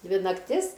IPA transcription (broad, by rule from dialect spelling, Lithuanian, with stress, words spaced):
ˈdʲʋʲɪ nɐkˈtʲɪs